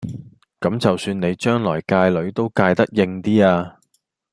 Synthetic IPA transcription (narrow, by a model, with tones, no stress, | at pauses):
kɐ˨˥mt͡sɐ˨wsyː˧nne˨˧jt͡ʃœː˥ŋlɔː˨˩jkaː˧jlɵ˨˥ɥt̪o˥wkaː˧jt̪ɐ˥k̚jɪ˧ŋt̪iː˥aː˧